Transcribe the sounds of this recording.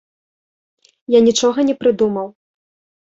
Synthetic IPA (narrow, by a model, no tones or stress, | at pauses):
janʲit͡ʂɔɣɐnʲɛpɾɨd̪umɐw